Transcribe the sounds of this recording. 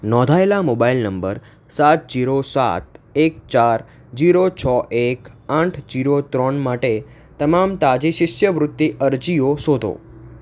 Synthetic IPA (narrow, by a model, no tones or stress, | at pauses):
nɔ̃d̪ʱaelamobailnəmbəɾ | sat̪̚d͡ʒiɾosa̰t̪ek̚t͡ʃaɾ | d͡ʒiɾot͡ʃʰɔʔekãʈʰd͡ʒiɾot̪ɾɔnmaʈe | t̪əmamt̪ad͡ʒiʃɪʃjəʋɾʊt̪ːiʔəɾd͡ʒiosod̪ʱo̰